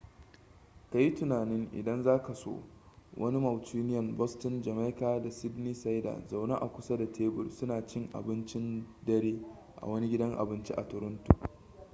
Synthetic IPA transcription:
ka˨ji˦tʊ˨naː˨nɪ˦ŋʔɪ̰˨dɐ˦nzaː˦ka˨so̰ː˦ | wʔɐ̰˦ni˦mɐ˨wtiː˦nɪ˦jɐ˨mbɔ˦stɪ˦nd͡ʒɐ˨ma˦jkaː˦da˨sɪ˦dniː˦sa˦jda̰˨za˨wna˦ʔa̰˨kʷʊ˦sa˦da˨tʰeː˦bʊ˨lsʊ˦naː˨t͡ʃɪ˦ŋʔa̰˨bɪ˦nt͡ʃɪ˦ndɐ˦ɾeː˦ | ʔa̰˨wɐ˦ni˦ɡʲɪ˦dɐ˦ŋʔa̰˨bɪ˦nt͡ʃi˦ʔa̰˨tʊ˨ɾʊ˦ntṵ˨

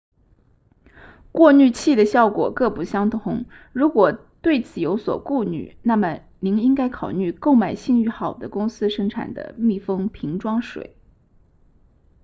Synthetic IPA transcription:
kwɔ˥˧ny˥˧t͡ɕʰi˥˩d̪ə˩ɕjɑ˥˩ʊkwɔ̰˨˩kɤ˥˧˩pu˧˥˩ɕjɑ˥ŋt̪ʰʊ˧˥ŋ | ɻu˧˥kwɔ˨˩t̪we˥˩ɪt͡sʰɹ̩˨˩jo˧˥ʊswɔ̰˨˩ku˥˩ny̰˨˩na˥˩mə˩ | ni˧˥ŋi˥ŋka˥ɪkʰɑ˨˩ʊny˥˧ko˥˩ʊma˨˩ɪɕi˥˧ŋy˥˩xɑ˨˩ʊd̪ə˦kʊ˥ŋsɹ̩˥ʂɤ˥ŋʈ͡ʂʰa̰˨˩nd̪ə̰˦mi˥˩fɤ˥ŋpʰi˧˥ŋʈ͡ʂwɑ˥ŋʂwḛ˨˩˦ɪ

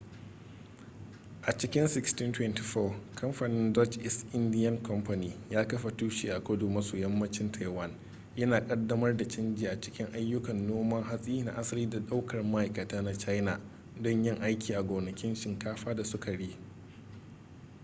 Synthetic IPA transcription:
ʔa˨t͡ʃɪ˦kʲɪ˦nsɪ˦ksti˦ntwɛ˦nti˨ɸɔː˦kʰɐ˦mɸa˨nɪ˦ndɔ˦t͡ʃʔɪ˦sʔɪ˦ndɪ˦jɐ˦ŋkɔ˦mɸa˨niː˨jaː˦kɐ˦ɸa˨tuː˦ʃiː˨ʔa˨kʷʊ˦duː˨mɐ˦soː˨jɐ˦mːɐ˦t͡ʃɪ˦ntʰa˨jwɐ˦n | jɐ˦naː˨kʼɐ˦dːɐ˦mɐ˦rda˨t͡ʃɪ˦nd͡ʒiː˨ʔa˨t͡ʃɪ̥˦kʲɪ˦ŋʔa˦jːʊ˦kɐ˨nːoː˦mɐ˦ŋɦa˦sʼiː˦na̰˨ʔa˦sɐ˦liː˦da˨ɗa˦wkɐ˨rma˦ʔa˨jkɐ˨taː˦na˦t͡ʃa˦jna˨ | dɔ˦ɲjɪ˦ŋʔa˦jkʲiː˨ʔa˨ɡʷoː˨nɐ˨kʲɪ˦nʃɪ˨ŋkaː˦ɸaː˦da˨sʊ˦ka˨ɽiː˦

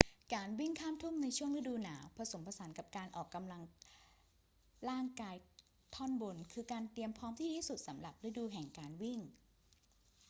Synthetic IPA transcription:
kaː˧nwi˥˩ŋkʰaː˥˩mt̪ʰu˥˩mna˧jt͡ɕʰu˥˩əŋɾɯ˦˥duː˧naː˩˦wpʰɾa˧so˩˦mpʰa˧sa˩˦nka˨˩p̚kaː˧nʔɔː˨˩kːa˧mla˧ŋ | ɾaː˥˩ŋkaː˧j | t̪ʰɔ˥˩nbo˧nkʰɯː˧kaː˧nt̪i˧əmpʰɔː˦˥mt̪ʰiː˥˩t̪ʰiː˥˩su˨˩t̪̚sa˩˦mɾa˨˩p̚ɾɯ˦˥duː˧ɦɛ˨˩ŋkaː˧nwi˥˩ŋ

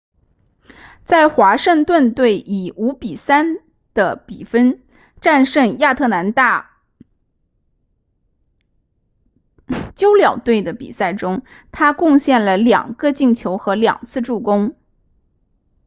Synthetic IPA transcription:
t͡sa˥˩ɪxwa˧˥ʂə˥˧ŋt̪wə˥˧nt̪we˥˩ɪʔi˨˩u˧˥pi˨˩sa˥n | d̪̥ə˨pi˨˩fə˥n | ʈ͡ʂa˥˧nʂɤ˥˧ŋja˥˧t̪ʰɤ˥˩na˧˥nt̪a˥˩ | t͡ɕjo˥ʊljɑ˨˩ʊt̪we˥˩ɪd̪ə˩pḭ˨˩sa˥˩ɪʈ͡ʂʊ˥ŋ | t̪ʰa˥kʊ˥˧ŋɕjɛ˥˩nlə˩ljɑ̰˨˩ŋɡə˧t͡ɕi˥˩ŋt͡ɕʰjo˧˥ʊxɤ˧˥ljɑ̰˨˩ŋt͡sʰɹ̩˥˧ʈ͡ʂu˥˩kʊ˥ŋ

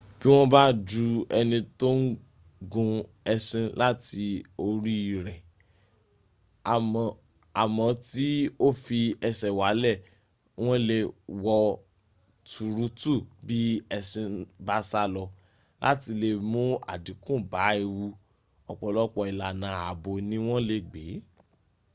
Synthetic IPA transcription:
b̥i˦w̃ɔ̃˦ba˦d͡ʒu˧ɛ˧nĩ˧to˦n̩˦ | ɡũ˧ | ɛ˧sĩ˧la˦ti˧o˧ɾi˦i˦˨ɾɛ˨ | m˨ | a˨mɔ̃˨˦ti˦o˦fi˧ɛ˧sɛ˨wa˨˦lɛ˦˨ | w̃ɔ̃˦le˧wɔ˧ | tu˨ɾu˦tu˦˨bi˦ɛ˧sĩ˧ba˦sa˦lɔ˧ | lʔa̰˦ti˧le˧mũ˦a̰˨dĩ˨˦kũ˦˨ba˨˦e˧wu˧ | ɔ˨k͡pɔ˨lɔ˦k͡pɔ˧i˨la˨nã˨˦a˨bo˧nĩ˦w̃ɔ̃˦le˧ɡ͡be˨˦

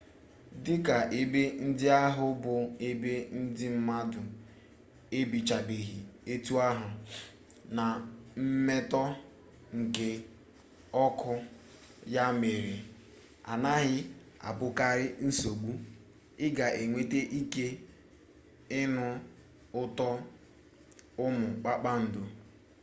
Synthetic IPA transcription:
dɪ˦ka˨ʔe˨be˦n̩˦dɪ˦a˦ɦʊ˦bʊ˨e˦be˦n̩˦dɪ˦m̩˦ma˦dʊ˨ | e˦bi˨t͡ʃa˨be˨ɦi˨e˦tu˦a˦ɦʊ˨ | na˨m̩˦me˦tɔ˦ | ŋ̩˨ke˦ | ɔ˦kʊ˦ | ja˦me˨ɾi˨ | a̰˨na˦ɦɪ˦ | a̰˨bʊ˦ka˦ɾɪ˦n̩˦so˨ɡ͡bu˦ | ɪ˦ɡa˨ʔe˨ŋʷe˦te˦ʔi˦ke˦ | ɪ˦nʊ˦ | ʊ˦tɔ˦ | ʊ˦mʊ˨k͡pa˦k͡pa˦n̩˨do˨

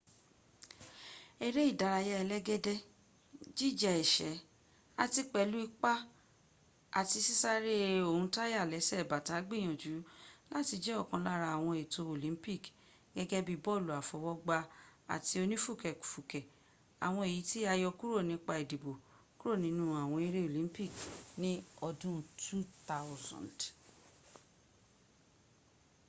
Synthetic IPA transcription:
e˦ɾe˦i˦˨da˨˧ɾa˧ja˧ɛ˧lɛ˦ɡɛ˦dɛ˦ | d͡ʒi˦˨d͡ʒa˨ɛ˨ʃɛ˨˦ | a˧ti˧k͡pɛ˧˦lu˦i˦k͡pa˦ | a̰˨ti˧si˦sa˦ɾe˦o˨hũ˧˦ta˦ja˦˨lɛ˨˦sɛ˦˨ba˨ta˨˦ɡ͡bi˦˨j̃ɔ̃˨d͡ʒu˨˦la˦ti˧d͡ʒɛ˦ɔ˦˨kã˨˧la˦ɾa˧a˨w̃ɔ̃˧e˨to˧o˨lĩ˨˦pi˦˨k | ɡɛ˦ɡɛ˦bi˦bɔ˦˨lu˨a˨fɔ˨˦wɔ˦ɡ͡ba˧a̰˨ti˧o˧nĩ˦fu˦˨kɛ˨ku̥˨fu˨kɛ˨ | a̰˨w̃ɔ̃˧e˨ji˨˦ti˦a˧jɔ˧ku˦ɾo˦˨nĩ˨˦k͡pa˧e˨di˨bo˨ | ku˦ɾo˦˨nĩ˨˦nũ˦a˨w̃ɔ̃˧e˧ɾe˦o˨lĩ˦mpi˦˨knĩ˦ɔ˧dũ˦tʰu˦ta˦wzɔ̰̃˨nd

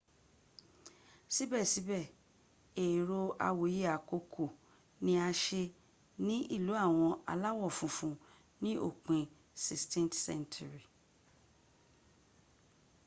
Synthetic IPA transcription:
si˦bɛ˦˨si˨˦bɛ˦˨ | e˨ɾo˧a̰˧wo˨˦je˦a˨ko˧kʰo˨ | nĩ˧˦a˧ʃe˧ | nĩ˦ʔi˦˨lu˨˦a˦˨w̃ɔ̃˧a̰˧la˦wɔ˦˨fũ˨˧˦fũ˧ | nĩ˦ʔo̰˦˨k͡pĩ˧ | si˨stĩ˦ntsɛ̰˦ntʰu˨ɾi˨

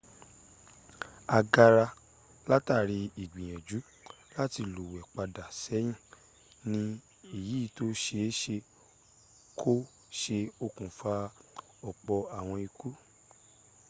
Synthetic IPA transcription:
a˧ɡa˧ɾa˧ | la˦ta˦˨ɾi˧i˨ɡ͡bĩ˨j̃ɛ̃˨d͡ʒu˨˦ | la˦ti˧lu˨wɛ˨k͡pa˧da˨sɛ˨˦j̃ĩ˦˨ | nĩ˧ | i˨ji˨˦˧to˦ʃe˧˦ʃe˧ | kʰo˦ | ʃe˧o˦kũ˨fa˧ | ɔ˨k͡pɔ˧a˨w̃ɔ̃˧i˧ku˦

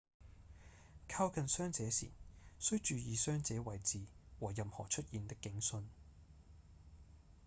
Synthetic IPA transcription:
kʰaː˥wkʰɐ˨˧nsœː˥ŋt͡sɛː˨˥sḭː˨˩nsɵ˥ɥt͡ʃyː˨˧jiː˨˧sœː˥ŋt͡sɛː˨˥wɐ˨jt͡siː˨˧wɔː˨˩jɐ˨mhɔː˨˩t͡ʃʰɵ˥t̚jiː˨nt̪ɪ˥kːɪ˨˥ŋsɵ˧n

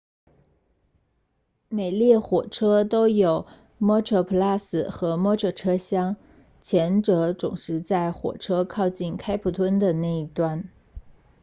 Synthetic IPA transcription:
me˨˩ɪljɛ˥˩xwɔ˨˩ʈ͡ʂʰɤ˥t̪o˥ʊjo˨˩ʊ | mɔ˥ʈ͡ʂʰɤ˧˥˩pʰu˧˥la˥˩sɹ̩˨˩xɤ˧˥mɔ˥ʈ͡ʂʰɤ˨˥˩ʈ͡ʂʰɤ˥ɕjɑ˥ŋ | t͡ɕʰjɛ˧˥nʈ͡ʂɤ˧˥ʈ͡ʂʊ̰˨˩ŋʂɻ̩˧˥t͡sa˥˩ɪxwɔ̰˨˩ʈ͡ʂʰɤ˥kʰɑ˥˧ʊt͡ɕi˥˩nkʰa˥ɪpʰu˨˩t̪ʰwə˥nd̪ə˨na˥˩i˧˩t̪wa˥˩n

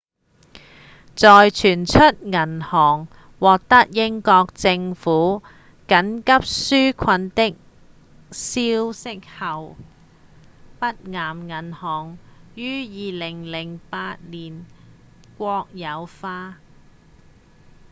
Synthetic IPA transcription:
t͡sɔː˨jt͡ʃʰyː˨˩nt͡ʃʰɵ˥t̚ŋɐ˨˩nhɔː˨˩ŋ | wɔː˨k̚t̪ɐ˥k̚jɪ˥ŋkɔː˧k̚t͡sɪ˧ŋfuː˨˥ | kɐ˨˥nkɐ˥p̚syː˥kʰɐ˧nt̪ɪ˥k̚ | siː˥wsɪ˥k̚hɐ˨w | pɐ˥t̚ŋaː˨˩mŋɐ˨˩nhɔː˨˩ŋjyː˥jiː˨˧lɪ˨˩ŋlɪ˨˩ŋpaː˧t̚liː˨˩n | kʷɔː˧k̚jɐ˨˧wfaː˧

